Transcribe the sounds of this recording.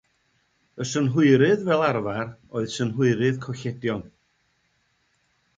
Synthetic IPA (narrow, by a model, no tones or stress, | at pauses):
əsənɦʊɨɾɨðvɛlˠarvaroɨðsənɦʊɨɾɨðkʰɔɬɛdjɔn